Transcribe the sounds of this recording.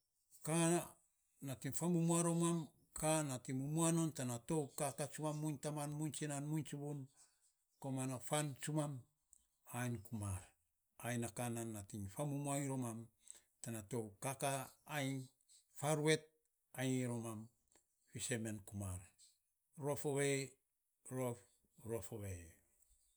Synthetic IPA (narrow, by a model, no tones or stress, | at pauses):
ka | natiŋfamumuaɾo̞mam | kʰanatimumuano̞ntanato̞wkakat͡ʃumamːuɲtamanmunt͡ʃinanmunt͡ʃubun | komanafant͡ʃumam | ajnkumaɾ | ajnakananːatiŋfamumuajnɾomam | tanato̞wkakaːjɲ | faɾue̞t̚ | ajɾomam | fise̞menkumaɾ | ɾo̞foβe | ɾof | ɾo̞foβe